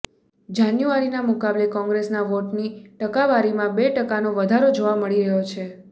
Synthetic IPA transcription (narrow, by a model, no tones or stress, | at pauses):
d͡ʒanjuaɾinamukablekɔ̃ŋɡɾesnaʋoʈniʈəkaʋaɾimãbeʈəkanoʋəd̪ʱaɾod͡ʒoʋaməɭiɾəɦot͡ʃʰe